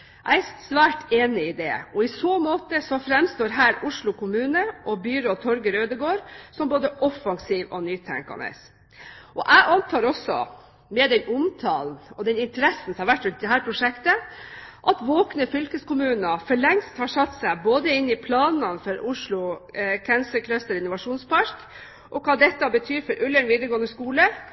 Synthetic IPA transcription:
ʔæ̰ɪæsʋæːʈeːnɪɪd̪ɛ̰ɔɪsoːmoːt̪əsɔfɾɛmst̪oːɾɦæːɾʊʂɭʊkʊmʉːnəʔɔbyɾoːt̪ʰɔɾɡəɾøːd̪əɡoːɾsɔmboːd̪əʔɔfɑŋsiːʋɔnyːt̪ʰæ̰ŋkɑ̰nə̰s | ʔɔʔæɪʔɑnt̪ʰɑːɾɔsːɔ̰ | mɛd̪ɛnʊmt̪ʰɑːln̩ɔd̪ɛnɪnt̪əɾɛsːn̩sɔmhɑɾʋæʈːɾʉnt̪̚d̪ɛɦæːɾpʰɾʊʂɛkt̪əʔɑt̪ʋoːknəfʏlkəskʊmʉːnəfɔɭɛŋst̪hɑʂɑt̪ːsæɪboːd̪əɪnːɪpʰlɑːnɑnfɔɾʔʊʂɭʊkʰɛnsəkʰlœst̪əɾɔɪnːʊʋɑʂuːnspʰɑɾk | ʔɔkʰɑːd̪ɛt̪ːɑbət̪ʰyːɾfɔɾʔʉləɳʋiːd̪əɾɡoːənəskuːlə

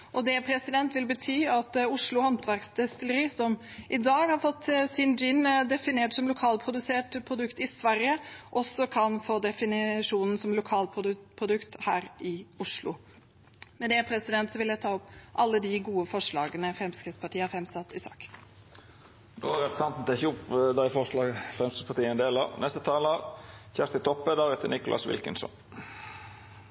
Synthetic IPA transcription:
ʔɔd̪ɛpʰɾɛsɪd̪ɛnt̪ʋɪlbət̪ʰyːɑt̪ʊʂlʊhɑnt̪ʰʋæɾksd̪ɛst̪ɪləɾiːsɔmʔɪd̪ɑːɡhɑɾfɔt̪ːsɪnd͡ʒɪnd̪ɛfɪneːʈsɔmlʊkʰɑːlpʰɾʊd̪ʉseːʈpʰɾʊd̪ʉkt̪ɪsʋæɾjəʔɔsːɔkʰɑnfoːd̪ɛfɪnɪʂuːnn̩sɔmlʊkʰɑːlpʰʊpʰɾʊd̪ʉkt̪hæːɾʔɪʊʂlʊ̰ | mɛd̪ɛpʰɾɛsɪd̪ɛnt̪sɔʋɪljæɪt̪ʰɑːɔpʔɑlːəd̪ɪɡuːəfɔʂɭɑːɡənəfɾɛmskɾɪt̪spʰɑʈiːəɑɾfɾɛmsɑt̪ːɪsɑ̰ːk̪ | d̪oːʁɛpəsɑnt̪n̩t̪ʰɛçʊpd̪æɪfɔʂlɑːɡfɾɛmst̪əpʰɑt̪iːəɛnd̪eːlə̰ʁnɛst̪ət̪ʰɑːləʁçæʁst̪ət̪ʰɔpːəd̪ɑʁɛt̪ənɪkʊlʔɑ̰sʋɪ̰lkə̰nsɔ̰n

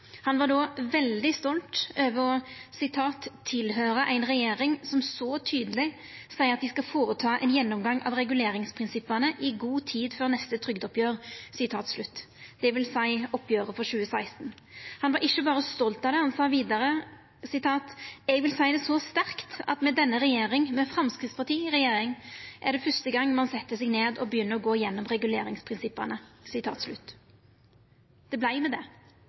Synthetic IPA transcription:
hɑnʋɑɖɔʋɛld̪ɪst̪ɔlt̪øːʋəsɪt̪ʰɑːt̪ʰːɪlɦøːɾəʔæɪnɾɛjeːɾɪŋsɔmsɔt̪ʰyːd̪əlɪ | sæɪɑt̪d̪ɪskɑfoːɾət̪ʰɑːʔɛ̰ɪnjɛnːɔmɡɑŋʔɑ̰ʋɾɛɡʉleːɾɪŋspʰʁɪnsɪpːənəʔɪɡuːt̪ʰiːd̪føːʁnɛst̪ət̪ʰɾʏɡd̪ɔpjøːʁsɪt̪ʰɑːt̪slʉt̪ː | d̪̥ɛʋɪlsæɪɔpːjøːɾəfɔɾɕʉːəsæɪst̪n | hɑnʋɑɾɪçːəbɑːʁɾəst̪ɔlt̪ɑd̪ɛhɑnsɑːʋiːd̪ɑɾə | sɪt̪ʰɑːt̪ɛɡʋɪlsæɪd̪ɛsɔst̪æɾkt̪ɑ̰t̪mɛd̪ɛnːəɾɛjeːɾɪŋmɛfɾɑmskʁɪt̪spɑʁt̪ʰiːʁɛjeːɾɪŋʔæɖ̪ɛfœst̪əɡɑŋːmɑnsɛt̪ːəsɛɡneːd̪ɔbəjʏnːəɾɔɡoːɪjɛnːɔmɾɛɡʉlḛːɾɪŋspʰʁɪnsɪpːɑnəsɪt̪ʰɑ̰ːt̪slʉt̪ː | d̪̥ɛblæɪmɛd̪ɛ

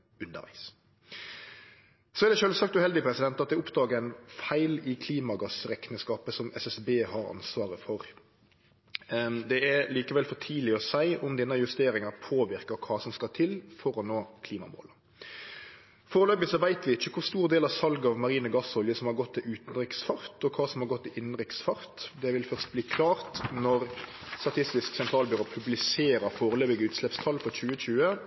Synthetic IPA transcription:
ʉnd̪ə̰ʋæ̰ɪs | sɔæʁd̪ɛʃøːlsɑk̚t̪ʉhɛld̪ɪpʰɾɛsɪd̪ɛnt̪ɑt̪̚d̪ɛʊpd̪ɑːɡəɾæɪnfæɪlɪkʰliːmɑɡɑsɾɛknəskɑːpəsɔmɛsɛsbeːhɑɾɑ̰nsʋɑːʁəfɔɾ | d̪ɛæliːkəʋɛlfɔʈʰiːlɪɔsæɪʔʊmd̪ɛnːəjʉst̪eːɾɪŋɑʁpʰoːʋɪʁkəkʰɑːsɔmskɑt̪ʰɪlfɔɾɔnːoːkʰliːmɑ̰mo̰ːlə | foːɾəløːbɪsɔʋæɪt̪ʋɪɪçːəkʰʊʁst̪uːʁd̪eːlɑʋsɑlɡɑʋmɑʁiːnəɡɑsɔljəsɔmhɑɾɡɔt̪ːɪʉːt̪n̩ɾɪksfɑɾt̪ɔkʰɑːsɔmhɑɾɡɔt̪ːɪʔɪnnɾɪksfɑɾt̪d̪ɛʋɪlfœʁst̪̚bliːkʰlɑːʁt̪nɔɾst̪ɑt̪ʰɪst̪ɪsksɛnt̪ʰɾɑːlbʏɾoːpʰʉblɪseːɾəfoːɾəløːbɪɡəʉːt̪slɛpst̪ʰɑlːfɔt͡ʃʉːəɕʉːə

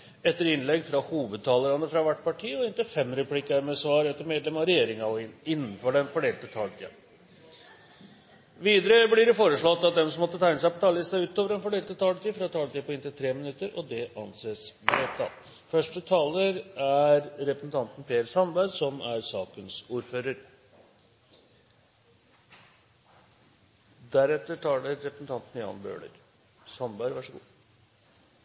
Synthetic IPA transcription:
ɛt̪ːəɾɪnlɛɡfɾɑhuːʋəd̪̚t̪ʰɑːləɾɑnəfɾɑʋæʈːpɑʈʰiːɔɪnt̪ɪfɛmːɾɛpʰlikːɑɾmɛsʋɑːɾɛt̪ːəɾmeːd̪lɛmɑɾɛjeːɾɪŋɑɔɪɪnːən̩fɔɖɛnfɔɖeːlt̪ət̪ʰɑːlt̪ʰiːɑ̰ | ʋiːd̪əɾəblɪɾɛfoːɾəʂɭɔt̪ːɑt̪̚d̪ɛmsɔmɔt̪ːət̪ʰæɪnəsæɪpɔt̪ʰɑːləsæɪʉːt̪oːʋəɾɛnfɔɖeːlt̪ət̪ʰɑːlt̪ʰiːfɾɑt̪ʰɑːlt̪iːpɔɪnt̪ɪlt̪ʰɾeːmɪnʉt̪ːəɾɔd̪ɛʔɑnseːsmɛɛt̪ʰːɑ̰t̪ | fœʂʈət̪ʰɑːləɾæɾɾɛpɾəsn̩t̪ʰɑnt̪n̩pʰeːəɾsɑnbæd̪sɔmæɾsɑːkənsuːɾføːɾəɾ | d̪æɾɛt̪ːəʈʰɑːɖɛɾɛpɾəsn̩t̪ɑnt̪n̩jɑ̰ːnbø̰ːɭə̰ɾ | sɑmbæɾʋæʂɔɡṵː

